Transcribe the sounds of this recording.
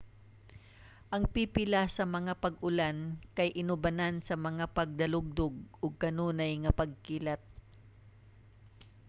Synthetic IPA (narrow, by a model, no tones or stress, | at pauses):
ʔɐŋpipɪlasɐmɐŋapɐɡʊlankɐjʔɪnʊbɐnansɐmɐŋapɐɡ̚d̪ɐlʊɡ̚d̪ʊɡ̚ʊɡ̚kɐnuːnajŋɐpɐɡ̚kiːlɐt̪̚